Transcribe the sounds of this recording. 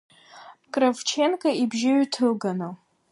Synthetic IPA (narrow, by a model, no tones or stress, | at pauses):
kʼravt͡ʃʰenkʼaibʒɪɥtʰɨlɡanɨ